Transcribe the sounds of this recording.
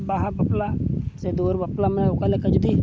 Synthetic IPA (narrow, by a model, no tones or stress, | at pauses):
baːɦãbəplaːseːd̪oːɾbəplaːmokalekəd͡ʒd̪iː